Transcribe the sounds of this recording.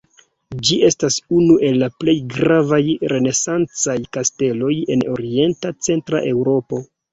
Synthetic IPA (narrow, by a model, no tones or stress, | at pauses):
d͡ʒie̞stasunuʔe̞lːaple̞jɡɾavajɾe̞ne̞sant͡sajkaste̞lo̞je̞̰no̞̰ɾie̞ntat͡se̞ntɾa̰ʔe̞wɾo̞po̞